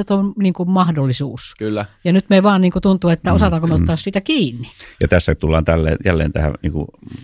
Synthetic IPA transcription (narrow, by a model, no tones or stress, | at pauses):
et̪omniːŋkummɑhdolːisuːskylːæjɑnyt̪meʋɑːnniːŋkut̪unt̪uːet̪ːæosɑt̪ɑŋkomeot̪ːɑːssiːt̪ækiːnːijɑt̪æsːæt̪ulːɑːnt̪ælːḛːjælːḛːnt̪æhæ̰niːŋkṵ